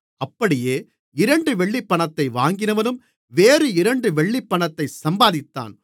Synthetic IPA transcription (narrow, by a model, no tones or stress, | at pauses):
ɐpːɐɽɪjeː | ɪɾɐɳɖɯʋɛɭːipːɐɳɐt̪ːɐɪʋaːŋɡɪnɐʋɐnɯm | ʋeːɾɯɪɾɐɳɖɯʋɛɭːipːɐɳɐt̪ːɐɪsɐmbaːðɪt̪ːa̰ːn